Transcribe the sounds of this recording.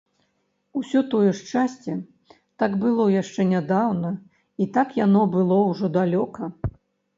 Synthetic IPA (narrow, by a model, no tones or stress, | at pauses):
usʲɔt̪ɔjɛʂt͡ʂasʲt͡sʲɛ | t̪aɡbɨlˠɔjaʂt͡ʂɛnʲad̪awnɐ | it̪akjanɔbɨlˠɔwʐɔd̪alʲɔkɐ